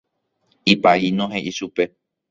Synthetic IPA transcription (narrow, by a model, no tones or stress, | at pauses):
ipainõɦẽʔiʃupe̞